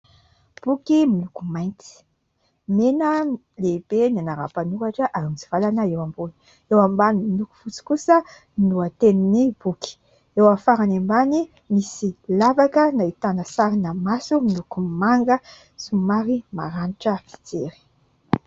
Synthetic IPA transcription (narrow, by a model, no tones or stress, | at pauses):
b̥ukimilukumajnt̪i̥ | menə | leb̥enanaɾa̰panuɾaʈ͡ʂəʔaɾimit͡si̥v̥alanaewambuni̥ | ewambanimiluku̥fut͡si̥kusə | inuat̪eninib̥uki̥ | ewafaɾanembani | misilavakənait̪anəsaɾinamasumilukumaŋɡə | sumaɾima̰ɾaniʈ͡ʂəfi̥t͡seɾi̥